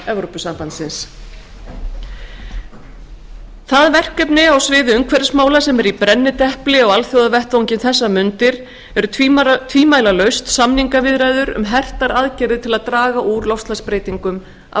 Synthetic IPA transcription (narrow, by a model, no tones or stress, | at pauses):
ɛvɾopʏsampant̪sɪns | θaðvɛr̥kœpnɪawsvɪːðɪʏŋkʰvɛɾɪsmaːwlasɛmɛɾipɾɛnːɪt̪ɛhplɪɔɣalθjowðavɛht̪vowɲcɪnθɛsːamʏnt̪ɪɾ | ɛɾʏt̪ʰvt̪ʰviːmaːjlalœɥst̪samniŋkavɪðɾajðʏɾʏ̰mɦɛr̥t̪aɾaðcɛɾðɪt̪ʰɪlaðt̪ɾaːɣaʔuɾlowfst̪aspɾeːjt̪iŋkʏm | a̰